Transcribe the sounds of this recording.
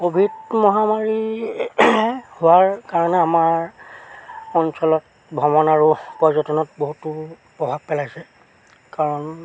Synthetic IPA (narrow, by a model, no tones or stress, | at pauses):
kobʱitmɔɦamaɹi | hʊwaɹkaɹɔnɛamaɹ | ɔnsɔlɔt̚ | bʱɔmɔnaɹʊpɔzɔtɔnɔt̚boɦutʊ | pɹɔbʱab̚pɛlajsɛ | kaɹɔn